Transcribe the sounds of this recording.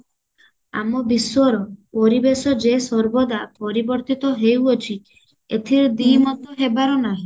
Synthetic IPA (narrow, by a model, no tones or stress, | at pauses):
a̰mɔbiswɔɾɔpɔɾibesɔd͡ʒesɔɾbɔd̪apɔɾibɔɾt̪it̪ɔɦewɔt͡ʃʰi | et̪ʰiɾɔd̪imɔt̪ɔɦebaɾɔnaɦĩ